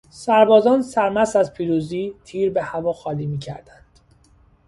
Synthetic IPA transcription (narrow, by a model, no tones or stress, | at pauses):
sæɾbɒːzɒːnsæɾmæsæzpʰiːɾuːziːt̪ʰiːɾbehævɒːxɒːliːmiːcʰæ̰ɾd̪̥ænd̪̥